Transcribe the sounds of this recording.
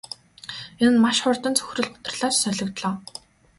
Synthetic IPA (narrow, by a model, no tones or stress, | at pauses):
enɘ̆nmaʃχʊrt̪ə̆nt͡sʰɵ̥xrɵ̆ɮpʊ̥t̪ə̆rɮaːt͡ɕsœɮɞ̆kt̪ɮɔː